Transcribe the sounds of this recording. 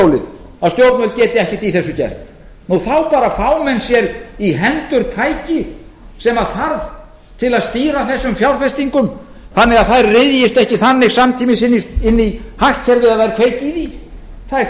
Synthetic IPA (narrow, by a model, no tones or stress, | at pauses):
owlɪ | aðst̪jowɾt̪nœlcɛːt̪ɪɛhcɪt̪iθɛsːʏcɛ̰r̥t̪ | nuθawpaːɾafaːwmɛnsjɛɾiɦɛnt̪ʏɾt̪ʰaːjcɪsɛmaðθaɾv | t̪ʰɪlaðst̪iːɾaθɛsːʏmfjawɾ̥fɛst̪iŋkʏm | θanːɪɣaðθajɾrɪðjɪst̪ɛhcɪθanːɪɣsamt̪ʰiːmɪsɪnːiɪnːihahcʰːɛɾvɪðaðvajɾakʰveːjt̪iði | θaðɾ